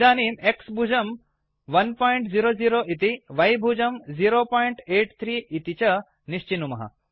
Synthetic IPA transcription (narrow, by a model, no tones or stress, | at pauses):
d͡ʒaːniːmeksbʱud͡ʒɐm | ʋɐnpɔːjɳʈziɾoːziːɾoːʔit̪̬iʋɐjbʱud͡ʒɐmziːɾoːpɔːjɳʈeːʈt̪ʰɾiːit̪it͡ʃɐ | niʃt͡ʃinumɐɦɐ̰